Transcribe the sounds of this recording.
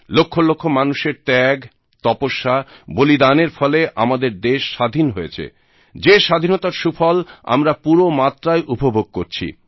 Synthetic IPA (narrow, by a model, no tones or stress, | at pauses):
lokʰːolokʰːomanuʃeɾt̪ɛɡ | t̪ɔpoʃːabolid̪aneɾfɔleʔa̰mad̪eɾd̪eʃːad̪ʱinɦojet͡ɕʰḛ | d͡ʑeʃad̪ʱinot̪aɾʃufɔla̰mɾapuɾomat̪ːɾaeʔubʱoboɡ̚koɾt͡ɕʰḭ